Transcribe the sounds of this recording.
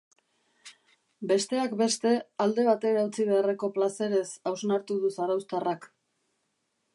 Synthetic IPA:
be̞st̪e̞akbe̞st̪e̞ald̪e̞β̞at̪e̞ɾaut͡siβe̞are̞ko̞plase̞ɾe̞sawsnaɾt̪uðusaɾawst̪arak

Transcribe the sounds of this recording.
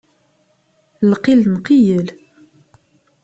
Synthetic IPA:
lqilnqijəl

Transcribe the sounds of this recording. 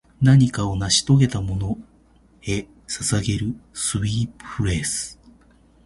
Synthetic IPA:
naɲ̟ikao̞naɕi̥t̪o̞ɡe̞t̪amo̞no̞ | e̞ | sasaɡe̞ɾɯ̟sɨβiːpɯ̥ɯɾe̞ːsɨ̥

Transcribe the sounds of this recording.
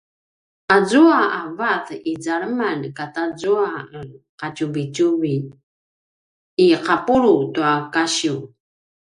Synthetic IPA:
azuaavaθid͡zaɭəmankatazuaqat͡ɕuvit͡ɕuvi | qapuɾutuakaɕiu

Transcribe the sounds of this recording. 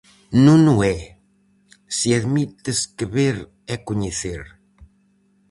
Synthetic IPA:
nũnʊɛ | siaðmit̪eskeβeɾ | ɛkoɲeθeɾ

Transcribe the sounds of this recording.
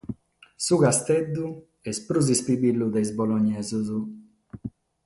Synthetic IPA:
suɡast̪ɛd̪ːu | ɛspɾuz̬ispibilːud̪ɛjzbɔlɔɲːɛːzuzu

